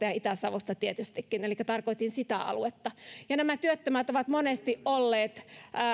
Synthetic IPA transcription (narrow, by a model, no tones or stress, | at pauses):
t̪ɑjɑit̪æsɑʋost̪ɑt̪iet̪yst̪ikːinelikːæt̪ɑrkoit̪insit̪æɑ̰luet̪ːɑjɑnæmæt̪yøt̪ːømæt̪oʋɑt̪monest̪iʔʔʔolːeːt̪ː